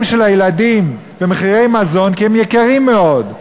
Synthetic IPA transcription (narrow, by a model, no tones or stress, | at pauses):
mʃelhajeladim | vemeχiʁejmazo̞nkihemjekaʁimːeo̞d